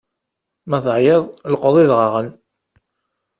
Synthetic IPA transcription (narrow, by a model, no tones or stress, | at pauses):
mæθʕjeðˤlqəðˤiðʁɑʁən